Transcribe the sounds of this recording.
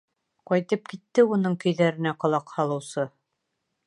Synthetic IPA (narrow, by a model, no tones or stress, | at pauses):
qɒjt̪ɤp̚kit̪ːɘunɤɴkɵ̆jðæɾɘ̆næqŏlˠɑqhɑlˠɤ̆wsɤ